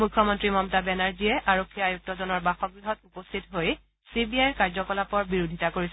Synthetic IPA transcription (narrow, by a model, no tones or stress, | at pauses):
mujkʰːɔmɔntɹimɔmtabɛnaɹziɛʔaɹokʰːijajuk̚tɔzɔnɔɹbaxɔk̚ɹiɦɔtupostʰitɦoj | sibiajɹkaɹzɔkɔlapɔɹbiɹodʱitakoɹisɛ